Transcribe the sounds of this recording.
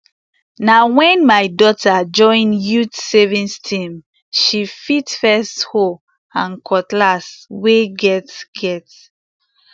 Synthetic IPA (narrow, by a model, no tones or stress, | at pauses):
nawɛ̃nmajdɔtad͡ʒɔ̃ɪ̃njutsɛvĩnstʰĩm | ʃifitfɛstho | ãnkʰɔtlasweɡɛtɡɛt